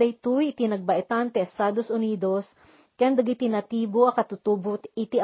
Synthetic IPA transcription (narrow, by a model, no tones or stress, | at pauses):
ɐjt̪ujɪt̪ɪnɐɡ̚bɐʔɛt̪ant̪ɛɛst̪aːd̪osʔʊniːd̪os | kɐjand̪ɐɡit̪ɪnɐt̪iːboʔɐkɐt̪ʊt̪uːbot̪ɪt̪iʔ